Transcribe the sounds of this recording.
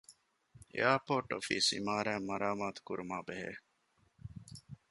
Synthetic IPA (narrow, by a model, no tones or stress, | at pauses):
ḛaːpoːʈːo̰fḭːsḭmaːɾæːmɐɾaːmaːt̪u̥kuɾumaːbeɦḛː